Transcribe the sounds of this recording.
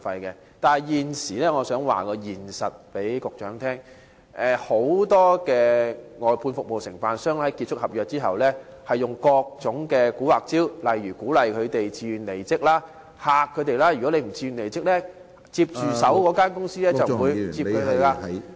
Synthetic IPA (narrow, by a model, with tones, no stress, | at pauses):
fɐ˧jkɛ˧ | t̪aː˨nɐ˨jjiː˨nsiː˨˩lɛː˥ŋɔː˨˧sœː˨˥ŋwa̰ː˨˩kɔː˧jiː˨˩nsɐ˨t̚pe˨˥jkʊ˨k̚t͡ʃœː˨˥ŋt̪ʰɛː˥ŋ | ʔɛ˨˧ho˨˥wt̪ɔː˥kɛː˧ŋɔː˨˩jpʰuː˧nfʊ˨k̚mo˨wsɪ̰˨˩ŋfaː˨˧nsœː˥ŋhɐ˨˥jki˧t̚t͡ʃʰʊ˥k̚hɐ˨p̚jœː˨k̚t͡siː˥ɦɐ̰˨wlɛː˥ | hɐ˨jːʊ˨ŋkɔː˧k̚t͡sʊ˨˥ŋkɛː˧kuː˨˥waː˨˩k̚t͡siː˥wlɐ˨jɥyː˨˩kuː˨˥lɐ˨jkʰɵ˨˧ɥt̪e˨jt͡siː˧˨˧nle˨˩jt͡sɪ˥k̚laː˥ | haː˨kʰːɵ˨˧ɥt̪e˨˧jlaː˥jy˨kɔ˨˥le˨˧jm̩˨˩t͡siː˧˨nle˨˩jt͡sɪ˥k̚lɛː˥ | t͡si˧p̚t͡ʃyː˨sɐ˨˥wkɔː˨˧˥kaː˥nkʊ˥ŋsiː˥lɛː˥t͡sɐ˨wwu˨˧jt͡siː˧ko˨˧˥le˨˧laː˧